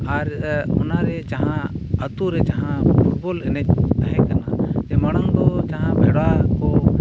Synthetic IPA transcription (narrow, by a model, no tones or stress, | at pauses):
aɾhɔnaɾɛt͡ʃaɦãət̪uɾɛt͡ʃaɦãpʰuʈ̚bɔlɛnɛc̚t̪aɦɛ̃kanad͡ʒɛmaɽ̃aŋd̪ɔt͡ʃaɦãbʱɛɽwakɔ